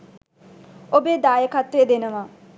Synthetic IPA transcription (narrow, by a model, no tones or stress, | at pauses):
obeːd̪aːjəkat̪ɾejəd̪enəʋa